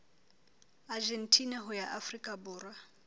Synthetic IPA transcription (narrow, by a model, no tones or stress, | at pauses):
ad͡ʒentʼʰinaɦʊjaʔafrikʼabʊːra